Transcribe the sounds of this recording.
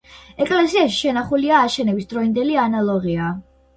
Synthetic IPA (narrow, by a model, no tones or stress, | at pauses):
ɛkʼlɛsiaʃi̥ʃɛnaχuliaːʃɛnɛbisd̪ɾɔind̪ɛlianalˠɔʁia